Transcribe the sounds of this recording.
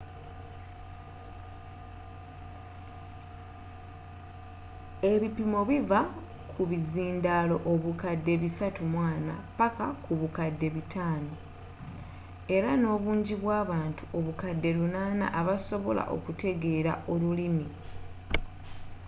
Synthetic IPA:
e̞βipimo̞βiva | kʰuβiziːndaːlo̞ʔoβukadːe̞βisatumwaːna̰pakakuβukadːe̞βitʰaːno̞ | e̞ɾano̞ːβuːɲɟiβwaːβaːntu̥ʔo̞βukadːe̞lunaːna̰ʔaβaso̞βo̞̰la̰ʔo̞̰kute̞ɡe̞ɾa̰ʔo̞lulimi

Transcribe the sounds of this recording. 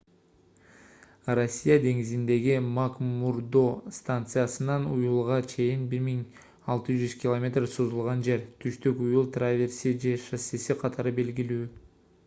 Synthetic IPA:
rosʲːijad̪e̞ŋizind̪e̞ɡimakmuɾd̪o̞st̪ant̪sɨjasɯnɑnujulˠʁɑt͡ʃʰe̞jinbiɾmiŋ | ɑlˠt̪ɯd͡ʒyz̥kʲɪlˠomʲe̞t̪rsozulˠʁɑnd͡ʒe̞ɾt̪ʰyʃt̪ykujulˠt̪ravʲe̞ɾsid͡ʒe̞ʃasesiqʰɑt̪ʰɑɾɯbe̞lɡʲilyː

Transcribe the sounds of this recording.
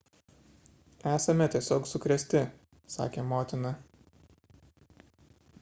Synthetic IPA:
æːsɐmʲɛt̪ʲiɛsʲoːksʊkɾʲɛsʲt̪ʲɪ | sɑ̰ːkʲeːmoːt̪ʲɪnɐ

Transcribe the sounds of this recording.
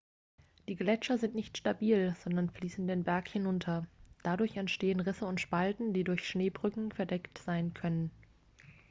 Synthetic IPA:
d̥iːɡlɛt͡ʃɐzɪntnɪçtʃtabiːlz̥ɔndɐnfliːsn̩deːnbɛɐkhɪnʊntʰɐd̥adʊɐçɛntʃteːənʁɪsəʊntʃpaltn̩d̥iːdʊɐçʃneːbʁʏkŋ̩fɛɐdɛktz̥aɪnkʰœnən

